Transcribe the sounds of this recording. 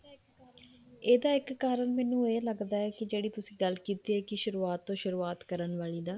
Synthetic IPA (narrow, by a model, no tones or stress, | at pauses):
eːd̪aːɪkːaːɾəɳmɛːnũːeːləɡd̪aːɛːkɪd͡ʒeːɽiːt̪ʊsĩːɡəlkiːt̪iːɛːkɪʃʊɾuːaːt̪ːõːʃʊɾuːaːt̪kəɾənʋaːɭiːd̪aː